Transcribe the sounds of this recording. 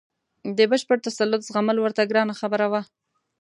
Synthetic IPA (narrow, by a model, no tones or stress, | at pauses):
d̪əbəʃpəɽt̪asalːʊt̪zɣaməlwəɾt̪aɡɾɑnaxabəɾawa